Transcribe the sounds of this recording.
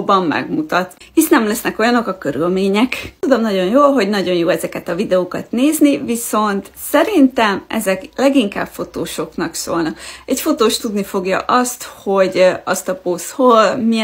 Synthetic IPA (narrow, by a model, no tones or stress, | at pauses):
bɒmmɛ̰ɡmut̪ɒt̪ | isnɛmlɛsnɛko̞jɒno̞kɒkøɾylmeːɲɛkt̪ud̪o̞mnɒɟo̞njoːlɦo̞ɟnɒɟo̞njoːɛzɛkɛt̪ɒvid̪ɛoːkɒt̪neːzniviso̞nt̪sɛɾint̪ɛmʔɛ̰zɛklɛɡiŋka̰ːb̥fo̞t̪oːʃo̞knɒkso̰ːlnɒkɛcfo̞t̪oːʃt̪ud̪nifo̞ɡjɒ̰ʔɒst̪ho̞ɟɒst̪ɒposholmi